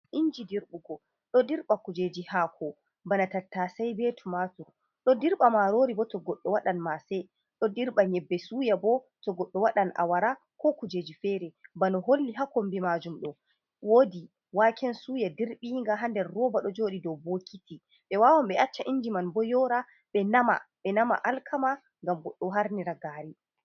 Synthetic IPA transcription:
ʔiɲd͡ʒidiɾɓuɡɔ | ɗɔdiɾɓakud͡ʒeːd͡ʒihakʰɔ | banatatːasajbetʰumatuɾ | ɗɔdiɾɓamaɾoːɾibɔtɔɡɔɗːɔwaɗanmasɛ | ɗɔdiɾɓaɲɛbːɛsuːjabɔtɔɡɔɗːɔwaɗanʔa̰waɾa | kɔkud͡ʒeːd͡ʒifɛɾɛbanɔɦolːiɦakombimad͡ʒumɗɔ | woːdi | wakʰɛnsuːjadiɾɓiːŋɡaɦandɛɾːɔːbaɗɔd͡ʒoːɗidɔwbokʰiti | ɓɛwaːwamɓɛʔat͡ʃːaʔind͡ʒimanbɔjɔɾa | ɓɛnama̰ɓɛnama̰ʔalkʰama | ŋɡamɡɔɗːɔɦaɾniɾaɡaːɾi

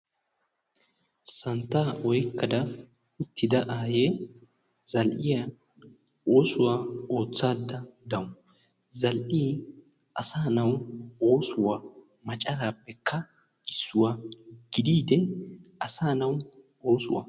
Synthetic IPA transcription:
sɐnt̪ːaʔɔjkːɐd̪ɐ | ʊt̪ːɪd̪ɐʔaːje | z̥ɐlʔɪja | ʔo̞ːsʊwaːo̞ːt͡sːaːd̪ːɐd̪ɐwʊ | zɐlʔiː | ʔɐsaːnɐwo̞ːsʊwa | mɐt͡ʃʼɐɾaːpːɛkʰːɐ | ɪsːʊwaɡ̥ɪd̪iːd̪ɛʔɐsaːnɐw | o̞ːsʊ̰wa̰

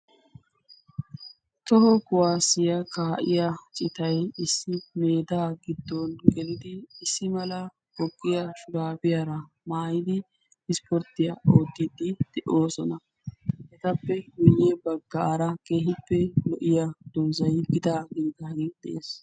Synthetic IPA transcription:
t̪ɔɦɔkʊwaːsɪjɐkaːʔɪjat͡ʃʼɪt̪ɐjɪsːɪme̞ːd̪aːɡɪd̪ːɔnɡɛlɪd̪ɪːsːɪmɐlɐ | hɔɡːɪjaʃʊɾaːbɪjaɾɐ | maːjɪd̪ɪ | ɪspɔɾt̪ɪjɐoːd̪ːɪd̪ɪd̪̥ɛʔoːsɔnɐ | hɛt̪ɐpːɛɡʊjːebɐɡːɐːɾɐke̞ːhɪpːɛlɔʔɪjad̪̥ɔːzɐjɡɪd̪aːɡiːɡɐhɐɾid̪ɛ̰ʔeːs

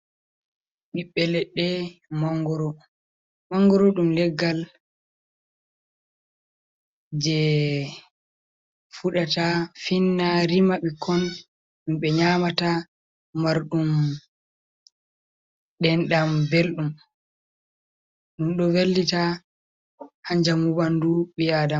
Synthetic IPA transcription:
ɓiɓːɛlɛɗːɛmaŋɡɔɾɔ | maŋɡɔɾɔɗumlɛɡːal | d͡ʒɛ | fuɗatafinːaɾimaɓikʰɔn | ɗumɓɛɲaːmata | maɾɗum | ɗɛnɗambelɗum | ɗumɗɔvelːita | haɲd͡ʒamubanduɓijadam

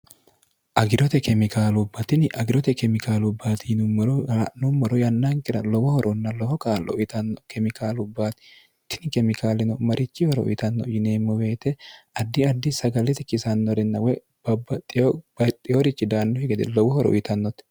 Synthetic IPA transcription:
ʔɐɡɪɾɔt̪ɛkɛmɪkaːlʊbːɐt̪ɪnɪʔɐɡɪɾɔt̪ɛkɛmɪkaːlʊbːaːt̪ʰɪnʊmːɔɾɔnʊmːɔɾɔjɐnːaŋkɪɾɐlɔwɔhɔɾʔɔnːɐlɔwɔkaːlɔ̰jɪt̪ɐnːɔkɛmɪkaːlʊbːaːt̪ɪ̥ | t̪ːɪnɪkɛmɪkaːlɪnɔmɐɾʔɪt͡ʃːɪhɔɾɔʔʊ̰jɪt̪ɐnːɔjɪneːmːɔwe̞ːt̪ɛɐd̪ːɪɐd̪ːɪsɐɡɐlɛt̪ɪkɪsɐnːɔɾɪnːɐwɛ | b̥ɐbːɐt̪ʼːɪjɔbɐt̪ʼːɪjoɾɪt͡ʃːɪd̪aːnːɔhɛɡɛt̪ɛ̰lɔwɔhɔɾɔ̰ʔjɪt̪ɐnːɔt̪

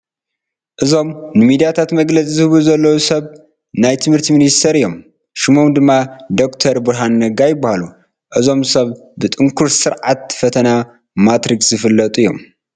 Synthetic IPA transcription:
ʔɨzo̞mnɨmid̪ijat̪ʰat̪mɐɡlɐt͡sʼizɨhɨβuzɐlːɐwusɐβ | najt̪ʰɨmhɨɾt̪ʰiminist̪ʰɐɾɨjːo̞m | ʃɨmomd̪ɨmːad̪o̞kt̪ʰɐɾbɨɾɦanːɐɡajɪbːahalu | ʔɨzo̞msɐβbɨt̪ʼɨŋkʰuɾsɨɾʕat̪̚fɐt̪ʰɐna | mat̪ɾikszɨfɨlːɐt̪ʼujːo̞̰m

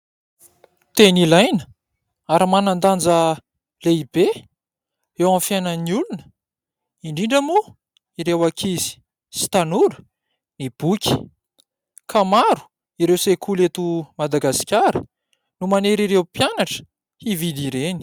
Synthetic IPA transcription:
t̪enilajnə | aɾimanand̪and͡zə | leibe | ewãfjanəniulunə̥ | iɳɖ͡ʐiɳɖ͡ʐəmu | iɾewakʰizi̥ | si̥t̪anuɾə̥ | nib̥ukʲʰi̥ | kʰamaɾu̥ | iɾewsekʰulet̪umad̪aɡasi̥kʲaɾə̰ | numaneɾiɾewpjanaʈ͡ʂə̥ | hivid̪iɾeni̥

